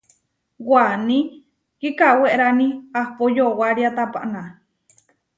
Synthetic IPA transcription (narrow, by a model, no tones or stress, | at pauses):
wwanĩ | kikaweʔɾaniahpojowaɾiat̪apa̰ʔna